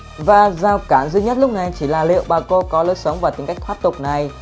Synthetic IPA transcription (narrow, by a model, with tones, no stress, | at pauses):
vaː˨˩zaː˧˩wkaː˧˩nzɨ˧ɲə˦˥t̚lʊ˦˥k͡p̚na˨˩jt͡ɕi˧˩laː˨˩lḭ˧˨əwɓaː˧˩ko˧kɔ˨˦ləː˨˦jsə˨˦wŋ͡mvaː˨˩t̪i˨˦ŋka˦˥jk̚t̪ʰaː˦˥p̚t̪ʊ˨˩k͡p̚na˨˩j